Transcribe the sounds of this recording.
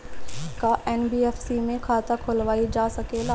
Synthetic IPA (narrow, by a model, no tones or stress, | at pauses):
kaʔɛːnbiːeːfsimẽkʰaːt̪akʰolʋaːid͡ʒaːsɐkelaː